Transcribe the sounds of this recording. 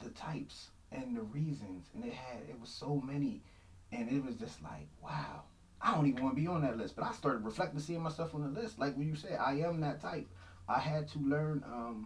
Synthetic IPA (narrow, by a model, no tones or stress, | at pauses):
ðɨtʰaɪps | ʔɨ̃nðɨɹizɨ̃nz̥ɨ̃nɨt̚hɨɾɪ̰t̚wʌz̥soʊmɛni | ɨ̃nɪt̚wʌzd͡ʒʌstˡla̰ɪk̚waʊ | aɪdõʊ̃tivən̩wɑnəbiə̃nðɨtˡlɪst̚b̥ʌɾaɪstɑɹɾɨd̚ɹɨflɛk̚tɪ̃ŋsiɪ̃ŋmaɪsɛlˠfn̩ðəlɪst̚ˡlaɪkwɨt͡ʃɨsɛʔa̰ɪɨ̃mðɨtʰaɪp̚ | ʔaɪɨd̚tʰəlɜ̃˞nʔʌ̃m